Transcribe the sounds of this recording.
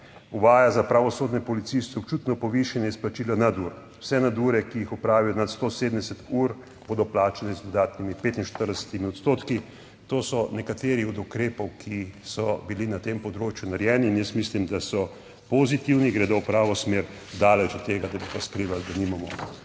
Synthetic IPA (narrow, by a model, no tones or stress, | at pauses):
uʋaːjazapɾaʋɔsoːd̪nɛpɔlit̪sist̪ɔp̚t͡ʃuːt̪nɔpɔʋiʃanjɛisplat͡ʃiːlanad̪uːɾ | wsɛnad̪uɾɛkijixɔpɾaːʋijɔnat̪st̪osed̪əmd̪ɛsɛt̪uːɾ | b̥oːd̪ɔplaːt͡ʃanɛzd̪ɔd̪aːt̪nimipeːt̪inʃt̪əɾd̪ɛsɛ̥t̪imiɔt̪st̪oːt̪ki | t̪oːsɔnɛkat̪eːɾiɔd̪ukɾeːpɔwkʰisɔbilinat̪empɔd̪ɾoːt͡ʃjunaɾjɛːniːnjəsmislimd̪asɔ | pozit̪iwniɡɾɛd̪ɔwpɾaːʋɔsmeːɾ | d̪aːlɛt͡ʃɔt̪ːeːɡad̪abit̪askɾiːʋald̪animamɔ̰